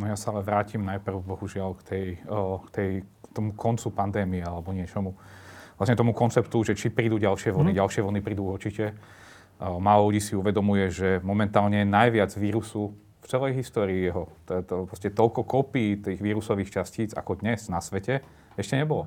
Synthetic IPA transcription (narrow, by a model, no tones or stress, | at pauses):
nɔjasaalɛʋɾaːcimnajpr̩ʊbɔɦuʒɪalkt̪ʰɛjkt̪ɛjt̪ɔmukʰɔnt͡supand̪ɛːmiɛalɛbɔɲɪɛt͡ʃɔmuʋlasɲɛt̪ɔmukɔnt͡sɛpt̪uʒɛt͡ʃipɾiːd̪uɟalʃɪɛʋɔniɟalʃɪɛʋɔnipɾiːd̪uuɾt͡ʃicɛ | malɔluɟiːsiuʋɛd̪ɔmujɛʒɛmɔmɛnt̪aːlɲɛnajʋɪad͡zʋiːɾusu | ft͡sɛlɛjɦist̪ɔːɾiːjɛɦɔt̪pɾɔscɛt̪ɔlkɔkɔpiːt̪iːɣʋiːɾusɔʋiːxt͡ʃasciːt͡sa̰kɔd̪ɲɛznasʋɛcɛ | ɛʃcɛɲɛbɔlɔ